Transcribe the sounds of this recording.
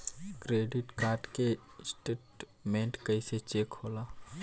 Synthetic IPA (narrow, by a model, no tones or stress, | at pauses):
kɾeːɖɪʈkaːɾʈkesʈeːʈ | mẽːɳʈkəiset͡ʃeːkholaː